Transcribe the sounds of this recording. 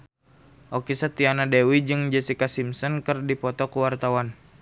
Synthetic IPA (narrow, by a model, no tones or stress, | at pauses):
ʔɔkisət̪ianadewid͡ʒɨŋd͡ʒəsikasimsɔnkərdipɔt̪ɔkuwart̪awan